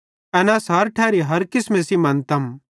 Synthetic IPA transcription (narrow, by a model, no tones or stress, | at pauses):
ɛːnasɐɾʈʰɛːɾiɦɐɾkɪsmẽsimɐ̃nt̪ɐm